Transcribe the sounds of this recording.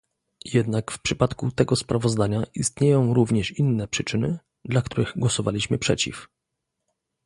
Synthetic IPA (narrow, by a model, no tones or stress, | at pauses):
jɛd̪nakfpʂɘpat̪kut̪ɛɡɔspɾʔavɔzd̪aɲaʔist̪ɲejɔ̃w̃ɾuvɲɛʂinːɛpʂɘt͡ʂɘnɘ | d̪lakt̪uɾɘɣɡwɔsɔvalʲiɕmɘpʂɛt͡ɕḭf